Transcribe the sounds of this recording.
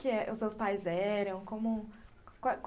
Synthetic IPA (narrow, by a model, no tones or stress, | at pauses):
kɪɛʔʊsːewspajzɛɾɐ̃w̃kõmʊ | kak